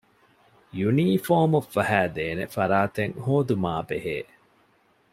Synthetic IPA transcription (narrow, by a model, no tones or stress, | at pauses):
juniːfoːmufːɐɦæːd̪eːnḛfɐɾaːt̪eŋhoːd̪umaːbeɦeː